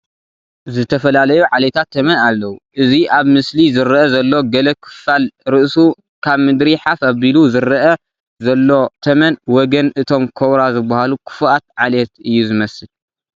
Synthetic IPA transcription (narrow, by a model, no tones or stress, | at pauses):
zɨt̪ʰɐfɐlalɐjuʕalet̪ʰat̪ʰːɐmɐnalːɐwuʔɨziʔaβmɨslizɨɾɐʔɐzɐlːo̞ɡɐlɐkʰɨ̥falɾɨʔsu | kʰaβmɨd̪ɾiħafaβiluzɨɾʔɐ | zɐlːo̞t̪ʰɐmɐnwɔɡɐnʔɨt̪ʰo̞mkʰowɾazɨbːahalukʰɨ̥fʔat̪̚ʕalet̪ɨjːuzɨmɐsɨl